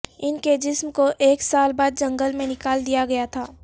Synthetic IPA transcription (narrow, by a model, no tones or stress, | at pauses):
ɪnked͡ʒɪsmkoʔeːksaːlbaːd̪̚d͡ʒɐ̃ŋɡəlmẽnɪkaːld̪ijaɡɐjat̪ʰaː